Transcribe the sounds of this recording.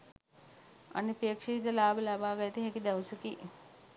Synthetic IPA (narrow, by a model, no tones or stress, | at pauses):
ɐ̰nipeːkʂid̪əlaːbəlabaːɡajt̪iɦekid̪ɐʋəsəki